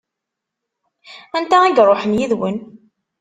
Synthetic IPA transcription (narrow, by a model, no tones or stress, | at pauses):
ænt̪ææɡɾˤoħənjiðwən